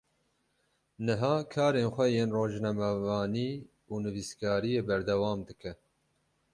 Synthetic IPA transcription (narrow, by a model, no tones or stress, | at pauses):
nɨɦɑːkʰɑːɾeːnxʷɛjeːnroːʒnɛmɛvɑːniː | uːnɨviskɑːɾijeːbɛɾd̪ɛwɑːmd̪ɨkʰɛ